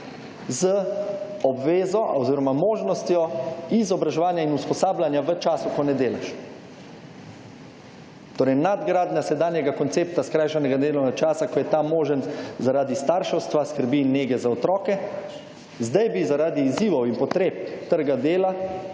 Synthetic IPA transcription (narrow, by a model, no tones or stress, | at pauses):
zəɔbʋeːzɔʔɔziːɾɔmamoːʒnɔst̪jɔizɔbɾaʒɛʋaːnjainuspɔsaːblanjaʋət͡ʃaːsukɔnɛd̪eːla̰ʃ | t̪oːɾɛjnad̪ɡɾaːd̪nʲasɛd̪aːnjɛɡakɔnt̪seːp̚t̪askɾaːjʃanɛɡad̪eːlanat͡ʃaːsakɔjɛt̪amoːʒənzaɾaːd̪ist̪aːɾʃɔwst̪ʋaskəɾbinːeːɡɛzaɔt̪ɾɔːkɛ | zd̪ajbizaɾaːd̪iːziːʋɔwinpɔt̪ɾeːp̚t̪əɾɡad̪eːla